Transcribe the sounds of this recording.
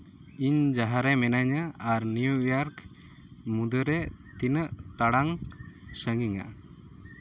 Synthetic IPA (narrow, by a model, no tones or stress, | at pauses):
iɲd͡ʒaɦaɾɛmɛnaɲəaɾniujaɾk | mud̪əɾɛt̪inəʔt̪aɽaŋsəŋiŋa̰